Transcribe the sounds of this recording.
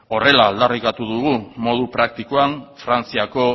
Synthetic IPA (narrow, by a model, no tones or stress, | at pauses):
o̞re̞laːld̪arikat̪uðuɣumo̞ð̞upɾak̚t̪ikoanfɾant͡siako̞